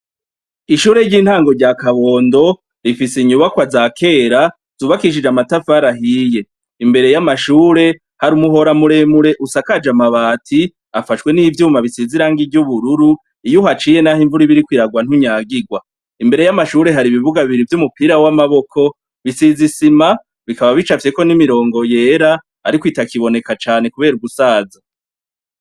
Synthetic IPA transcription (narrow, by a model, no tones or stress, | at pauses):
iʃuːɾe̞ɾɟiːn̥haːŋɡo̞ɾɟakaβo̞ːndo̞ | ɾifisiɲuβakwazakʰe̞ːɾa | z̥uːβakiʃ̬id͡ʒamatafaɾaɦiːje̞ | imbe̞ɾe̞jamaʃuːɾe̞ | haɾumuɦo̞ɾamuɾe̞muɾe̞ʔusakad͡ʒamaβaːtʰi | afaʃkwe̞niːvjuːmaβisiziɾaŋɡiɟuβuɾuɾu | ijuhat͡ʃiːje̞nahiɱvuɾiβiɾikwiɾaɡwan̥huɲaːɡiɡwa | imbe̞ɾe̞jamaʃuːɾe̞ɦaɾiβiβuɡaβiβiɾivjumupiɾawamaβo̞kʰo̞ | βisizisima | βikaβaβit͡ʃafe̞ko̞nimiɾo̞ːŋɡo̞je̞ɾa | aɾikwiːtakiβo̞ne̞kat͡ʃaːne̞kuβe̞ːɾuɡusaːza